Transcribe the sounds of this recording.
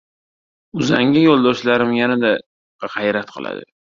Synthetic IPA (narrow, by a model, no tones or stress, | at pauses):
ʊzaŋʲajolˠd̪ɒʃlaɾɪmjanad̪a | ʁɑjɾat̪̚qʰɨ̰lˠa̰d̪ɪ̰